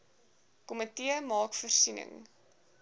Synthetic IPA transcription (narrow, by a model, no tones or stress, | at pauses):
komətiəmɑːkfərsinə̰ŋ